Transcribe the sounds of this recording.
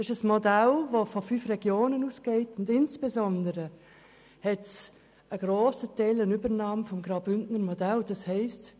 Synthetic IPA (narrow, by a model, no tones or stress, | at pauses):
ɪʃəsmodalvofofyfrɛɡ̥joːnənuːsɡ̥eɪtʊndɪnsb̥ɛzɔndəɾə | hɛts | əɡɾoːsətɛɪlənybəɾnɑːmfɔmɡɾɑʊbʏndnəɾmɔdald̥ɑshɛɪst